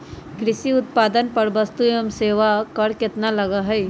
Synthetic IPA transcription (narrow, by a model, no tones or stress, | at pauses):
kɾɪʃiʊt̪̚paːd̪ənpɐɾbɐst̪ujəmseːʋakɐɽkɪt̪nalɐɡaɦɛː